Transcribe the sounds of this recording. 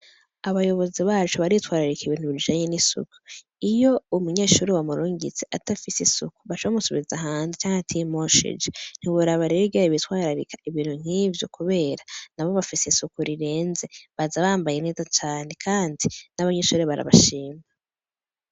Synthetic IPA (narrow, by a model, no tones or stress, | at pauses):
aβajo̞βo̞ziβaːt͡ʃuβaɾitwaːɾaɾikiβiːn̥huβid͡ʒaːɲenisṵku̥ | ijo̞umuɲe̞ːʃuːɾiwamuɾuːɲɡit͡se̞ʔatafisesuku̥βaʃoβamusuβizaɦaːnzet͡ʃaːŋhatʰimoʃḛd͡ʒen̥iɡuɾaβaɾeɡaiβitwaːɾaɾḭkʰḁiβiːn̥huŋ̥hiːvjo̞kuβe̞ːɾanaβo̞βafisesukuɾiɾe̞ːnze̞βazaβaːmbajene̞ːzat͡ʃaːne̞kʰaːndinaβaɲeːʃuːɾeβaɾa̰βa̰ʃiːma